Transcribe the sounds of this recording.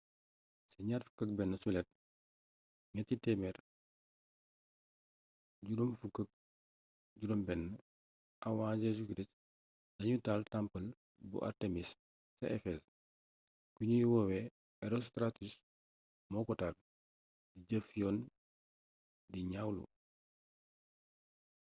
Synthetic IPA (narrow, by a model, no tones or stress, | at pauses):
sɐɲaːtfu̥kɐk̚bɛnːəsulɛt̚ | ŋɛtːitɛmɛɾ | ɟuɾomfukːək̚ | ɟuɾombɛnːə | ʔɐwaːd͡ʒesukɾist | dɐɲutaːltampɐl | bṵʔa̰ɾtemis | sɐ̰ʔɛfɛs | kuɲujuwowɛ | ɛɾostɾatus | mɔkɔtal | diɟɐfijɔn | diɲawlṵ